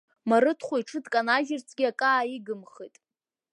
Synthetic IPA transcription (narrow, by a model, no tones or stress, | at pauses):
maɾɨtʰχʷoiʈ͡ʂʰɨdkʼanaʒɪrt͡sʰʼɡʲiakʼaːiɡɨmχitʼ